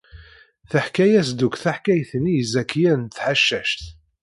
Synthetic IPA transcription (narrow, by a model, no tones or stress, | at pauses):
θəħkæjæsd̪ukʷθaħkæjθnijəzækːjænθħaʃːæʃt̪